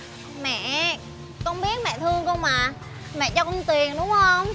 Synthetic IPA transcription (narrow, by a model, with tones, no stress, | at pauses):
mɛ̰˧˨ | kɔ˧nɓi˦˥ət̚mɛ̰˧˨t̪ʰɨ˧əŋkɔ˧ŋmaː˨˩ | mɛ̰˧˨t͡ɕɔ˧kɔ˧ŋ͡mt̪wi˨˩ənɗʊ˨˦ŋ͡mhə˧wŋ͡m